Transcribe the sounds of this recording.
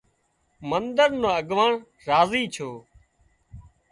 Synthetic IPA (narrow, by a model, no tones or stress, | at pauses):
mənd̪əɾnoːəɡʋaːɳ | ɾaːziːt͡ʃʰoː